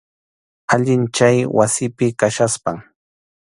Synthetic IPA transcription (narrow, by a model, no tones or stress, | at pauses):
aʎɪnt͡ʃajwasɪpɪkaʃaspaŋ